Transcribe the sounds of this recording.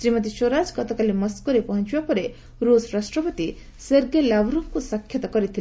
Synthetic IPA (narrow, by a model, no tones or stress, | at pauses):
sɾimɔt̪̬iʃoɾad͡ʒkɔt̪ɔkalimɔskuɾepɔɦɔnt͡ʃibapɔɾe | ɾusɾasʈɾɔpɔt̪i | sɔɾɡelabɾukkusakʰːjɔt̪ɔkɔɾit̪ʰil